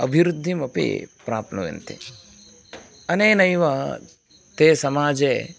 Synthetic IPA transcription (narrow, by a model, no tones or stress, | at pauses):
ɐbʱiɾud̪ʱːimɐpḭpɾaːpnɐʋḛnt̪ḛ | ɐneːnɐjʋɐ | t̪eːsɐmaːd͡ʒeː